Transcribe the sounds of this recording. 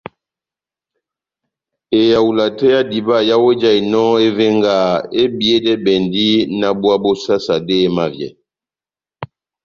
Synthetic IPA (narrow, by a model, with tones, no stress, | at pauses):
e˨ja˨wu˨la˨tɛ˦ja˦di˨ba˦˨ja˦we˦d͡ʒa˦˨i˨nɔ˦e˦ve˦ŋɡa˦˨e˦bi˨e˦dɛ˦bɛ˨ndi˦na˦bwa˦bo˦sa˦sa˨deː˦ma˦vjɛ̰˨